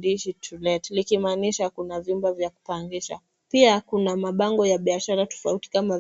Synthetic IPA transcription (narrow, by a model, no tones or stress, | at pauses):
diʃitʰulɛtlikimaːniʃakunavimbavjaku̥paŋɡiʃa̰ | piakunamaɓaŋɡɔjaɓiaʃaɾatɔ̥fauti̥kama